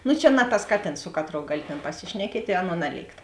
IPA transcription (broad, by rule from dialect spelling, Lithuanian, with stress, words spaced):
nʊ t͡ʃʲɛ nɐ tɐs ˈkɑːˌtʲeːns ˈsʊ kɐˌtroːʊ ˈɡɑːlʲɪ tʲeːn pɐˈsʲɪʃʲnʲɛkʲiɛtʲ ɪ ˈɑːˌnuɔ ˈnɑːˌlʲeːɪkt